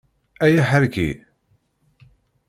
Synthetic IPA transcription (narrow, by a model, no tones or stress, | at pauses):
æjæħəɾkḭ